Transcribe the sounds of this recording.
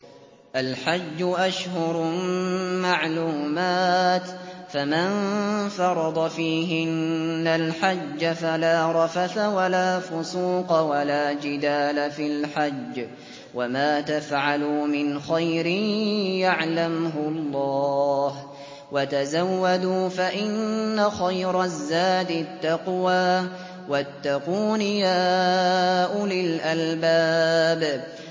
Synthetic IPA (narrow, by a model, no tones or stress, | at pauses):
ʔalħad͡ʒːʊʔaʃhʊɾˤ | maʕluːmaːt̪famanfɑɾˤɑd̪ˤɑfiːɦɪnːalħad͡ʒːafalaːɾˤɑfaθawalaːfʊsuːqɑwalaːd͡ʒɪd̪aːlafilħad͡ʒː | wamaːt̪afʕalumɪnxajɾɪjaʕlamɦʊɑlˤːɑːh | wat̪azawːad̪uːfaʔɪnːaxajɾˤɑzːaːd̪ɪt̪ːɑqwaː | wat̪ːaquːnɪjaː | ʔʊlɪlʔalbaːb